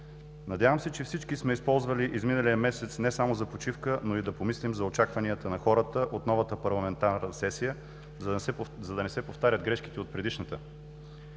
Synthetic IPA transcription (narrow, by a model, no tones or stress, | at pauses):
nɐd̪javəmsɛt͡ʃɛfsit͡ʃkismɛispɔlˠzvəliʔizminəlijəmɛsɛt̪snɛsamozɐpot͡ʃifkənoid̪ɐpomislimzɐot͡ʃakvɐniət̪ənɐxɔɾət̪əʔot̪nɔvɐt̪əpɐɾlˠɐmɛnt̪aɾnnəsɛsijə | zɐd̪ɐnɛsɛpoft̪aɾʲəd̪ɡɾɛʃki̥t̪ɛot̪̚pɾɛd̪iʃnət̪ə